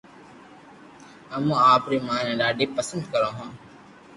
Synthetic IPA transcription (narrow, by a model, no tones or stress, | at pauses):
ɦəmũːaːpɾiːmãːnẽːɗaːɖiːpəsənd̪kəɾãːɦãː